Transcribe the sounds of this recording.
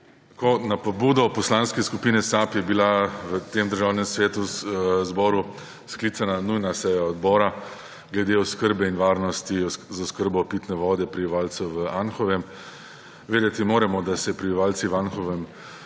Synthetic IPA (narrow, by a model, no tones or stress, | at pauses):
konapɔbuːd̪ɔpɔslanskɛskupinɛsapjɛbilaʋət̪eːmd̪əɾʒawnɛmsʋeːt̪uzbɔːɾu | sklit̪sananujnasɛjaɔd̪bɔːɾa | ɡlɛd̪eɔskəɾbɛinʋaːɾnɔst̪izaʊskəɾbɔpit̪nɛʋɔːd̪ɛpɾibiʋaːlsɛʋəanxɔʋɛm | ʋeːd̪ɛt̪imoːɾɛmɔd̪asɛpɾibiʋaːlsiʋanxɔʋɛm